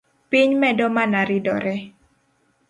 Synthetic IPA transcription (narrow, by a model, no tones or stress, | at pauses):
piɲmɛdɔmanaɾidɔɾɛ